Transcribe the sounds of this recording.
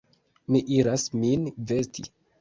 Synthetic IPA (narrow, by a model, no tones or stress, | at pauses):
miʔiɾasminvestḭ